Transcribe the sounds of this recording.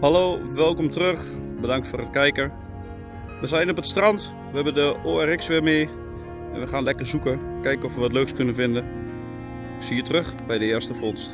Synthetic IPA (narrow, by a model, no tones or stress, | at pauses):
haloːʋɛlˠkɔmtrøxbədɑŋk̚tfoːrətkɛjkə | ʋəzɛjnɔpətstrɑnt | ʋəɦɛbəndəoːɛrɪksʋɪmeː | ɛ̰nʋəxaːnlɛkərzukəkɛjkɔfʋəʋɔtløːkskɵnənvɪndə | siːətrøxbɛjdəɪːstəfɔnst